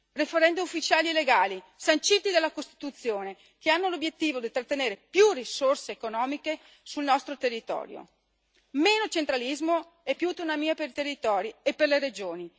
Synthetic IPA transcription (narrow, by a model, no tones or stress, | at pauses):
refeɾɛnd̪iufːit͡ʃaːlieleɡaːli | sant͡ʃit̪id̪elːakost̪i̥t̪ut̪sːjoːne | keanːolobjet̪ːiːvod̪it̪ɾat̪ːeneːɾepjurisorseːkonɔːmike | sulnɔst̪ɾot̪erːit̪ɔ̰ːɾjo̰ | meːnot͡ʃent̪ɾalizmo | ɛpːjut̪unamiːapeɾit̪erːit̪ɔːɾiepːerleɾed͡ʒoːni